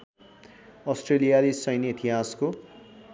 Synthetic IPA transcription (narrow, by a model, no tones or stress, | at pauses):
ʌsʈrelijaɾisʌjnit̪ʰiɦasko